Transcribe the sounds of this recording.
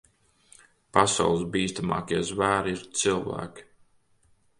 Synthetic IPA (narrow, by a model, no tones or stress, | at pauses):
pasa̰wlˠsbiːst̪ama̰ːkiɛzvæːɾiɾt̪silˠvæ̰ːkʲi̥